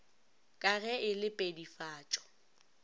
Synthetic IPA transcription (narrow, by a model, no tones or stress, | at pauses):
kʼaɣɛʔɪlɪpʼedifaːt͡ʃʼɔ̥